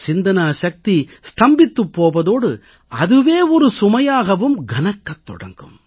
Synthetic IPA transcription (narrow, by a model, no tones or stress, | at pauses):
t͡ʃɪnd̪ɐnaːʃɐk̚t̪ist̪ɐmbɪt̪ːɯpːoːʋɐðoːɽɯ | ɐðɯʋeːɔɾɯsʊmɐjaːɣɐʋɯmɡɐnɐkːɐt̪ːɔ̰ɽɐ̰ŋɡɯm